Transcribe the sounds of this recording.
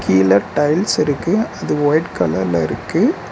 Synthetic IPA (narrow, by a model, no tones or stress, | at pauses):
kʰiːlɐʈɐɪlsɪɾɯkːɯɐðɯʋoːjʈkɐlɐɾlɐɪɾɯkːɯ